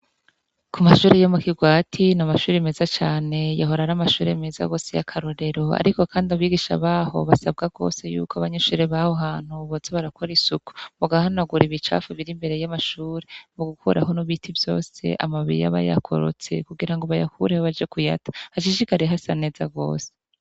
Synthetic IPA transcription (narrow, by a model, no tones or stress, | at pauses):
kumaʃuːɾejomukiɡwaːtʰinamaʃuːɾeme̞zat͡ʃaːne̞jaɦo̞ɾaɾamaʃuːɾeme̞za̰ɡo̞ːsejakʰaɾo̞ɾe̞ɾo̞a̰ɾiko̞kʰaːndiaβiɡiʃa̰βaːho̞̰βasab̚ɡaɡo̞̰se̞jṵːkoaβaɲeʃuːɾeβahoɦaːn̥huβozeβaɾakʰo̞ɾisuku̥muɡahanaɡuɾiβit͡ʃa̰ːfuβiɾimbe̞ɾe̞jamaʃuːɾemoɡukʰuɾaɦo̞nuβitʰivjo̞̰ːse̞̰ʔa̰maβiɾḭja̰βa̰ja̰kʰo̞̰ɾo̰t͡se̞̰kuɡiɾaŋɡoβaja̰kʰuɾehoβad͡ʒekuja̰tḁhat͡ʃiʃikaɾiɦasane̞ːzaɡo̞̰ːse̥